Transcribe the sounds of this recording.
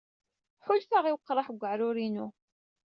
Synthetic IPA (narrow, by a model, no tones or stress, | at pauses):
ħʊlfaʁiwəqːɾˤɑħɡʷːəʕɾʊɾinu